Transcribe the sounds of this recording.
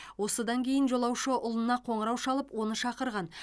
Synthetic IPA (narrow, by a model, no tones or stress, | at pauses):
wo̞səd̪ɑŋkʲʰe̞jɪnʒo̞lˠɑwʃəʔʊlˠənɑqʰo̞ɴəɾɑwʃɑlˠəpwo̞nəʃɑqəɾʁɑn